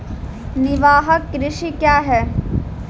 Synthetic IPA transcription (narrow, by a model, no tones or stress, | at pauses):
nɪʋaːɦəkːɾɪʃikjaːɦɛː